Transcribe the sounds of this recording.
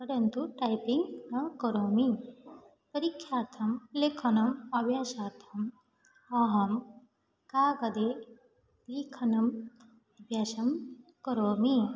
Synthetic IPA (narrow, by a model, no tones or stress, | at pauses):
pɐɾɐnt̪uʈɐjpiŋɡnɐkɐɾoːmi | pɐɾikʰːjaːt̪ʰɐmlekʰɐnɐmɐbʱjaːʃaːt̪ʰɐm | ɐɦɐm | kaːɡɐd̪e | liːkʰɐnɐm | ɐbʱjaːʃɐmkɐɾoːmi